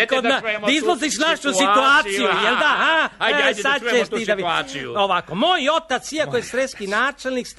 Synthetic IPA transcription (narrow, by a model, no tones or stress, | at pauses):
kod̪aizloziʃnaʃusit̪uaːt̪sijujeld̪ahasad̪̚t͡ʃeʃid̪aʋioʋakomoːjo̞t̪at̪siakojesɾeskinaːt͡ʃelniks